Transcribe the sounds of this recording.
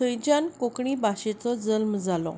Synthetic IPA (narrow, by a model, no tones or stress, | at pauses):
əjd͡ʑjankokɳiːbaɕet͡sɔd͡zəlmd͡zalɔ̰